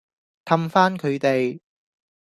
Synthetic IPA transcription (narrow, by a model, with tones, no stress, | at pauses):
k̪ʰɐ˧mfaː˥nkʰɵ˨˧ɥt̪e˨j